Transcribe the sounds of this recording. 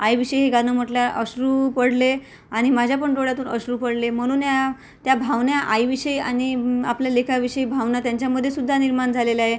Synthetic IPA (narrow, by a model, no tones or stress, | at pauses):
ajʋiɕəjɦeɡanəm̤oʈljaʔəɕɾuːpəɽle | aɽ̃imad͡ʑʱjap̬əɳʈoɽjat̪uːnəɕɾuːpəɽlem̤əɽ̃uːnja | t̪jabʱaʋnjaʔajʋiɕəia̰ñiapljalekʰaʋiɕəibʱaʋnat̪jaɲt͡ɕjaməd̪ʱːjesud̪ʱːaniɾmaɳd͡zʱaleleaɦe